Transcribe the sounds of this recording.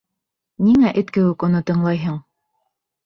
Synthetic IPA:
niŋæʔɘt̪kɘ̆wɘkŏnɤt̪ɤ̆ɴlˠɑjɦɤɴ

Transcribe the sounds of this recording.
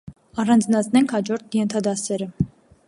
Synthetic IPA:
ɑrɑnd͡znɑt͡sʰnɛŋkʰhɑd͡ʒɔɾt̪ʰjɛnt̪ʰɑd̪ɑsɛɾə

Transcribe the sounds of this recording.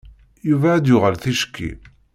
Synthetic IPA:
juvæːd̪jʊʁəlθiʃkːḭ

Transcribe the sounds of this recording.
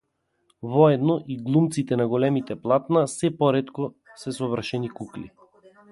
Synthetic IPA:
vɔɛd̪nɔʔiɡlˠumt̪sit̪ɛnaɡɔlɛmit̪ɛplˠat̪nasɛpɔɾɛt̪kɔ | sɛsɔvr̩ʃɛnikuklḭ

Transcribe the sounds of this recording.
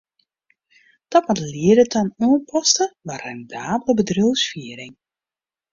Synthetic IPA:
d̥ɔtʋɔtliədətanuənpʰɔstəʋarɛndaːbələbədrølˠsfiəɾɪŋ

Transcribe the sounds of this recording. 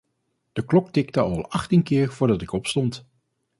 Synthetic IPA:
d̥əklɔk̚tɪk̚təɑlˠɑχtinkɪːɹv̥ʊːɹdɑtɪkɔpstɔnt

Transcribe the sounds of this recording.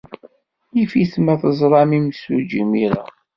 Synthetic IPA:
jifismæθəzˤɾˤɑmimsud͡ʒimiɾæ̰

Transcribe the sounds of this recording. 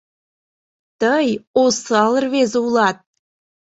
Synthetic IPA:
t̪əjosɑlˠərβezulˠɑt̪̚

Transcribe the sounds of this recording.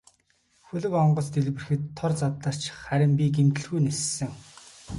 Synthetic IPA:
xɵɮɵ̆kɔɴɢɞ̆t͡st̪eɮpɘ̆rxɘ̆t̪ʰːɔrt͡sat̪ɮə̆r̥t͡ɕχæɾʲɪ̆mp̬ʲiɡemt̪ɘ̆ɮɣujnessːɘ̆ŋ

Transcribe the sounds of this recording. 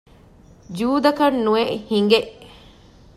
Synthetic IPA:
d͡ʒuːd̪ɐkɐnːueʔhiŋɡeʔ

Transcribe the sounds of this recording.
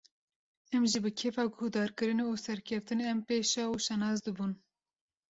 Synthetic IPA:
ɛmʒibɨkʰeːfɑːɡohd̪ɑːɾkɨɾɨneusɛɾkʰɛft̪ɨneɛmpeːʃɑːuʃɛnɑːzd̪ɨbun

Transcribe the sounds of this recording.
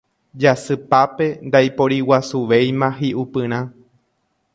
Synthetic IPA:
d͡ʒasɨpape̞nd̪ajpo̞ɾiwasuʋe̞jmãɦiʔupɨ̃ɾ̃ã

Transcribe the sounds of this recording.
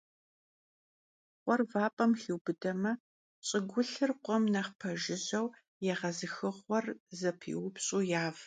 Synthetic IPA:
qʷʼɔrvaːpʼɐmxiwbɨdɐmɐ | ɕʼɪɡʷʊɬɨrqʷʼɔmnɐχpʰɐʒɪʑɐw | jɛʁɐzɨxɨʁʷɔrzɐpʰḭwʊpɕʼuːjaːv

